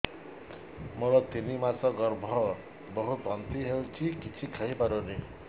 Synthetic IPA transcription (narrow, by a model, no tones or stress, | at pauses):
moɾɔt̪inimasɔɡɔɾbʱɔ | bɔɦut̪ɔnt̪iɦewt͡ʃʰikit͡ʃʰikʰaɦipaɾune